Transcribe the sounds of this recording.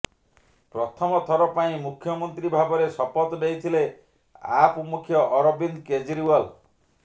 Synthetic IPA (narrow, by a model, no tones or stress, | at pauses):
pɾɔt̪ʰɔmɔt̪ʰɔɾɔpaĩmukʰjɔmɔnt̪ɾibʱabɔɾesɔpɔt̪ɔd̪ejt̪ʰile | a̰pmukʰjɔʔɔɾɔbinked͡ʒiɾiwɔl